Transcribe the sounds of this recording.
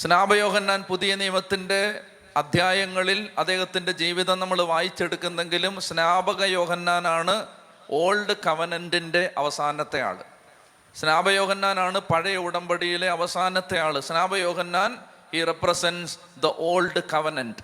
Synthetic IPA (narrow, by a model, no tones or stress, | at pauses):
snaːbɐjo̞ːɡɐnːaːnpuðijɐnijɐmɐt̪ːinde̞ | ɐd̪ʱjaːjɐŋːɐɭilɐd̪e̞ːɦɐt̪ːinde̞d͡ʑiːʋiðɐnɐmːɐɭʋaːjit͡ɕːe̞ɽukːunːɐðe̞ŋɡilumsnaːbɐɣɐjo̞ːɡɐnːaːnaːɳɨ | o̞ːlɖɨkɐʋɐnɐndinde̞ʔɐʋɐsaːnɐt̪ːe̞ja̰ːɭɨ̰ | snaːbɐjo̞ːɡɐnːaːnaːɳɨpɐɻɐjɐuɽɐmbɐɽijile̞ɐʋɐsaːnɐt̪ːe̞jaːɭɨsnaːbɐjo̞ːɡɐnːaːn | hiːreprɐsens | d̪ɐʔo̞ːlɖɨkɐʋɐnɐnd